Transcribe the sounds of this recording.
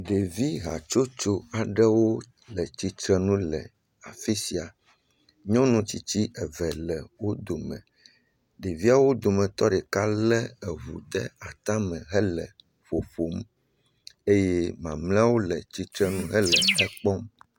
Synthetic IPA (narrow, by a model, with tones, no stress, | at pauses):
ɖe˨vi˦ɦa̰˨t͡ʃo˦t͡ʃo˦a˨ɖɛ˦wo˦ | lɛ˨t͡ɕi˦t̪ɾɛ˦nũ˦lɛ˨ | a˨fi˦si˨a˨ | ɲɔ̃˦nũ˨t͡ɕi˨t͡ɕi˦ʔɛ˨vɛ˨lɛ˨wo˦d̪o˨mɛ̰̃˨ | ɖe˨vi˦a˨wo˦d̪o˨mɛ̃˨t̪ɔ˦ɖɛ˨ka˦lɛ˦ɛ˨βṵ˨d̪ɛ˦a˨t̪ã˦mɛ̃˨ɦɛ˦lɛ˨ | ɸo˨fo˨˦m | e˦je˦mã˨mlɛ̃˦wo˦lɛ˨t͡ɕi˦t̪ɾɛ˦nũ˦ɦɛ˦lɛ˨ɛ˦k͡pɔ˦m